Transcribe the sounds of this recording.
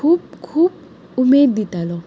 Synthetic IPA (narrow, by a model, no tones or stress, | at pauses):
up̚kʰup̚ | umed̪it̪alɔ